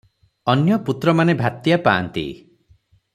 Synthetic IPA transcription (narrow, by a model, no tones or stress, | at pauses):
ɔnjɔput̪ɾɔmanebʱat̪japaːnt̪ḭ